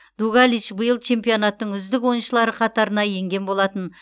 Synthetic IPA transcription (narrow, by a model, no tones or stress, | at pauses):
d̪uɡalʲˠit͡ʃbəjəlˠt͡ʃʰe̞mpio̞nɑt̪ːəɴʏzd̪ɪkwo̞jənʃəlˠɑɾəqʰɑt̪ɑɾənɑje̞ŋɡʲe̞nbo̞lˠɑt̪ən